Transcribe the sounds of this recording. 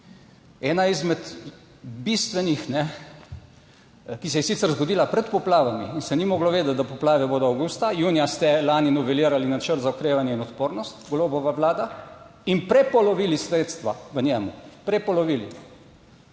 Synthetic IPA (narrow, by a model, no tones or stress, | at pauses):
ɛːnaizmɛt̪ | bist̪ʋɛnixnɛ | kisɛjɛsit̪sɛɾzɡod̪iːlapɾɛt̪pɔplaːʋamiːnsɛnimɔːɡlɔʋeːd̪at̪̚d̪apɔplaːʋɛboːd̪ɔawɡuːst̪ajuːnijast̪ɛlaːninɔʋɛliːɾalinat͡ʃəɾt̪zaɔkɾeːʋanjɛinɔt̪poːɾnɔst̪ɡloːbɔʋaʋlaːd̪a | inpɾɛpɔlɔʋiːlisɾeːt̪st̪ʋaʋənjɛmṵpɾɛpɔlɔʋiːlḭ